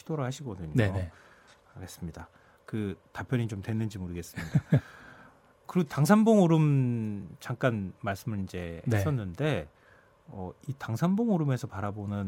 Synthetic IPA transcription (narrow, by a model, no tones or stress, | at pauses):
id̥oɾɯɭhaɕʰiɡʌdɯɲnoee | aɡe̞s͈ɯmɲida | kɯtapʰjʌɲit͡ɕomtwe̞nːɯnd͡ʑimoɾɯɡe̞s͈ɯmaɲi̥aa | kɯɾiɡotaŋs̬ʰanboŋoɾɯm | t͡ɕaŋk͈anmaɭs͈ɯmɯid͡ʑe̞ns͈ʌnːɯnde̞ | ʌitaŋsʰanboŋoɾɯme̞sʰʌpaɾabonɯn